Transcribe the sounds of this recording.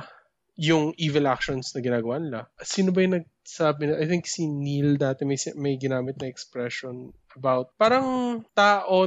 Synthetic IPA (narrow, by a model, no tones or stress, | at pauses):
jʊŋʔiːvɛlʔak̚ʃonsnɐɡɪnaːɡɐwanɪlɐsiːnobɐjʊnɐɡ̚saːbɪnɐʔajt̪θɪŋksinild̪aːt̪ɛmɐjsmɐjɡɪnaːmɪt̪̚nɐɛkspɹɛʃonʔɐbawt̪̚paːɾɐŋt̪aːʔo